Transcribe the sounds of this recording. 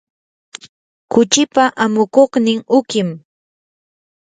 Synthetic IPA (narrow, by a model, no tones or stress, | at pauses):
kʊt͡ʃɪpaʔamʊkoχnɪŋʊkɪm